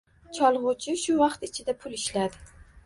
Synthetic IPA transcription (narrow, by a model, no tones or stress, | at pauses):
t͡ʃʰɒlˠʁʊt͡ʃʰɪʃʊvɑqt̪ɪt͡ʃʰɪd̪apʰʊlɪʃlad̪ɪ